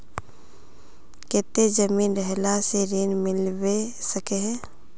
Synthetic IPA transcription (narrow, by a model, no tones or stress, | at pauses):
keːt̪ed͡ʒəmiːnɾɛɦlaseɾiːnmɪlwesəkeɦɛ̃ː